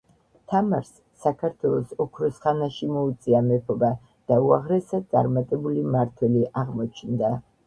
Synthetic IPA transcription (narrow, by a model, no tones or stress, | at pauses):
t̪ʰamaɾsːakʰaɾt̪ʰwɛlˠɔsɔkʰɾɔsχanaʃimɔut̪sʼiamɛpʰɔba | d̪̥auaʁɾɛsad̪̚sʼa̰ɾmat̪ʼɛbulimaɾt̪ʰwɛliʔaʁmɔt͡ʃʰnd̪a